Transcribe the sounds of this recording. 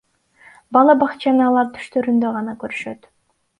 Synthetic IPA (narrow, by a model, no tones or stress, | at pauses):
bɑlˠɑbɑqt͡ʃɑnɯɑlˠɑɾt̪ʰy̥ʃt̪ø̞ɾynd̪øʁɑnɑkøɾyʃø̞t̪